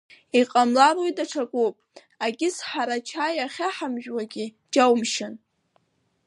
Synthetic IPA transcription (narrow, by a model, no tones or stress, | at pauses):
iqʼamlalojdʼaʈ͡ʂʰakʷʼopʼ | aɡʲɪsħaɾat͡ʃʰajaχʲaħamʒᶣwaɡʲɪ | d͡ʒawmʃɪn